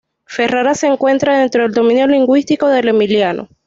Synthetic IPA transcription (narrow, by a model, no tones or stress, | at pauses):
fe̞raɾase̞ːŋkwe̞nt̪ɾaðe̞nt̪ɾo̞ðe̞ld̪o̞mĩnjo̞liŋɡwist̪iko̞ðe̞lemiljano̰